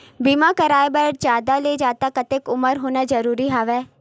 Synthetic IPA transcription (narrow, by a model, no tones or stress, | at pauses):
biːmãkəɾaːebɐɾd͡ʒaːd̪aled͡ʒaːt̪akɐt̪ekʊməɾɦoːnad͡ʒɐɾuːɾiɦaːʋɛː